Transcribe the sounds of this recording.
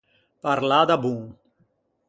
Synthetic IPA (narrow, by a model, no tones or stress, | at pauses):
paɾlad̪abuŋ